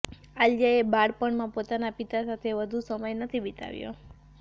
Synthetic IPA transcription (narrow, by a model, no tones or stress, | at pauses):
ald͡ʒaebaɽpəɳmãpot̪anapit̪asat̪ʰeʋəd̪ʱusəməjnət̪ʰibit̪a̰ʋjo̰